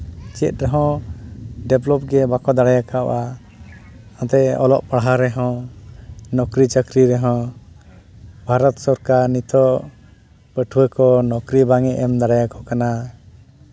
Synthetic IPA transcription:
t͡ʃɛt̪̚ɾɛɦɔ̃ | ɖɛblɔp̚ɡɛbakɔd̪aɽajakaɔ̰ʔa | ãt̪ɛɔ̰lɔ̰ʔpaɽɦaɾɛɦɔ̃ | nɔkɾit͡ʃakɾiɾɛɦɔ̃ | bʱaɾɔt̪sɔɾkaɾnit̪ɔ | pəʈʰuwɛkɔnɔkɾibaŋɛʔɛmd̪aɽajakɔkana

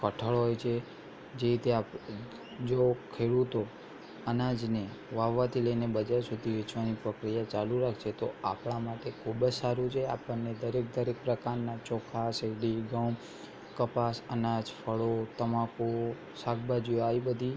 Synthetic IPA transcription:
kəʈʰəɭɦojt͡ʃʰe | d͡ʒeɾit̪eap | d͡ʒokʰeɽut̪o | ənad͡ʒne | ʋaʋːat̪ʰiləinebəd͡ʒaɾsud̪ʱiʋɪt͡ʃʋanipɾəkɾijat͡ʃaluɾakʰt͡ʃʰet̪oapɳamaʈekʰubəd͡ʒsaɾũt͡ʃʰeapənːed̪əɾek̚d̪əɾek̚pɾəkaɾnat͡ʃɔkʰaseɡɽiɡaw | kəpasənad͡ʒfʰəɭot̪əmãko | sak̚bad͡ʒioaibəd̪ʱi

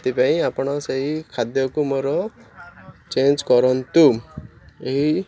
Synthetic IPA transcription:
t̪ipaĩapɳɔsaɦikʰad̪jɔkumɔɾɔ | t͡ɕẽnd͡ʑkɔɾɔnt̪u | eɦi

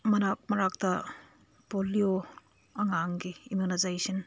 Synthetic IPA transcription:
mɐnak̚mɐɾak̚tɐ | polio | ɐŋaŋɡiimjunazajsin

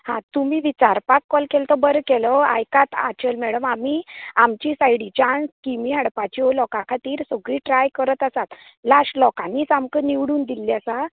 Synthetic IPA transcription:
hãt̪umiːʋit͡ɕaɾpakːɔlkɛlt̪əbəɾəkɛlɔa̰jkat̪a̰t͡ɕelmɛɽəmamiamt͡ɕisajɽit͡ɕãnskimiɦaɽpat͡ɕiolɔkãkʰat̪iːɾsoɡɾiːʈɾajkəɾət̪asat̪ | laʂlɔkaniːt͡samkəniʋɽuːnd̪ilːjasa

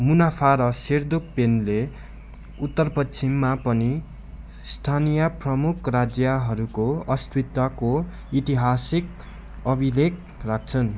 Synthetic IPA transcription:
munapʰaɾʌsird̪ok̚penle | ut̪ːʌrpʌtsʰimːapʌni | st̪ʰanijʌprʌmukʰrad͡zjʌɦʌɾukoʌst̪wit̪wako | it̪iɦasik̚ | ʌbʱilek̚ | rak̚ʰt͡sʰʌn

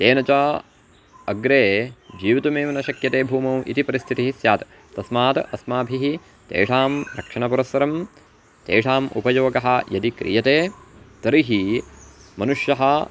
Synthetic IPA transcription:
t̪eːnɐt͡ʃa | ɐɡɾeːd͡ʒiːʋit̪umeːʋɐnɐʃɐkjɐt̪eːbʱuːmɐmʔḭt̪ipɐɾist̪ʰit̪iɦisjaːt̪ | t̪ɐsmaːt̪ʔɐsmaːbʱiɦi | t̪ḛːʂaːmɾɐkʂɐɳɐpuɾɐsʋɐɾɐm | t̪eːʂaːmṵpɐjoːɡɐɦɐ̆jɐd̪ikɾḭjɐt̪eːt̪ɐɾiɦi | mɐnuʂjɐɦɐ

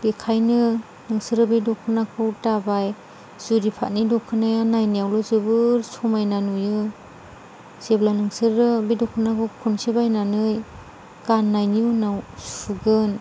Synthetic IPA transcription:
b̥ekʰajnɯ | nɯŋsɯɾɯbidɔkʰɯnakʰɯwtabaj | z̥uɾipʰa̰t̚nidɔkʰːɯnajanajnijawlɔzɯbɯɾsɔmajnanujɯ | z̥eblanɯŋsɯɾɯbidɔkʰɯnakʰɯwkʰunsibajnanɯj | ɡ̥anːajniunawsuɡɯn

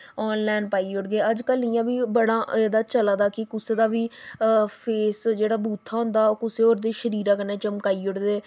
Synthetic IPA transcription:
ɔːnlɛːnpaːiːʊɽɡeːəd͡ʒkəlnɪːãːbiːbəɽãːʔeːd̪aːt͡ʃəlaːd̪aːkɪkʊseːd̪aːʋiː | pʰeːsd͡ʒeːɽaːbuːt̪ʰːaːɦʊ̃nd̪aːoːkʊseːoːɾd̪eːʃəɾiːɾãːkəneːt͡ʃəmkaːiːoɽd̪eː

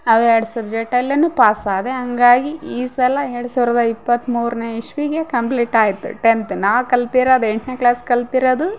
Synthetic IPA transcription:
ɐʋeɾɽusɐbd͡ʒek̚ʈɐlːɐnːupaːsaːd̪eɦɐŋɡaːɡiiːsɐlɐeɾɽusuːʋɾɐd̪ɐipːɐt̪ːmuːɾneiʂʋiɡe̞kɐmpliːʈaːjit̪ːṵʈent̪unaːʋkɐlt̪iɾaːd̪eɳʈneːklaːskɐlt̪iɾɐd̪u

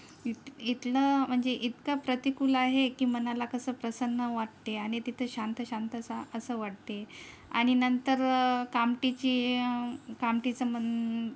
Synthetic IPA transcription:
it̪it̪ləm̤əɳd͡zeʔit̪kəpɾət̪ikulaɦekiːmənalakəsəːpɾəsənːəʋaʈ̚t̪eaɽ̃it̪it̪ʰəɕant̪əɕant̪əsaəsəːʋaʈ̚t̪e | a̰ɽ̃inənt̪əɾkamʈit͡ɕiː | kamʈit͡səmən

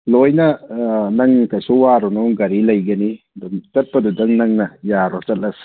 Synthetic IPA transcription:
lojnɐnɐŋkajsuwaɾɔnɔɡɐɾilɐjɡɐni | duŋt͡ʃɐt̚pɐdudɐŋnɐŋnɐjaɾɔt͡ʃɐt̚lɐs

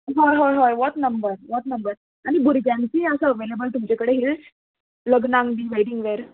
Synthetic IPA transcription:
ɦɔjɦɔjɦɔjʋɔʈnəmbəɾʋɔʈnəmbəɾ | aɽ̃ibuɾɡãnsiəsəəʋelebəlt̪umt͡ɕekəɽeɦil | ləɡnãŋɡbiʋeʈiŋɡʋeɾ

